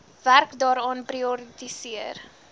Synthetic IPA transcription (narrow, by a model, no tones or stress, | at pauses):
værkdɑːɾɑːnpriɔɾit̪isiər